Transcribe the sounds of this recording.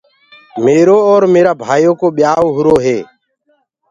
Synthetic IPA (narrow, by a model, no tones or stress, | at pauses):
meːɾoːɔːɾmeːɾaːbʱaːjoːkoːɓɪjaːoːɦʊɾoːɦeː